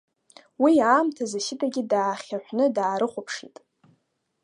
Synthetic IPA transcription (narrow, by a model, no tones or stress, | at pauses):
wiaːmtʰazaʃɪtʰʼaɡʲɪdaːχʲaħᶣʷnɨdaːɾɨχʷʊpʰʂitʼ